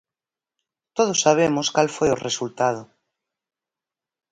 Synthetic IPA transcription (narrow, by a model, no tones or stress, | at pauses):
t̪oð̞osːaβ̞emoskalfojoresult̪að̞o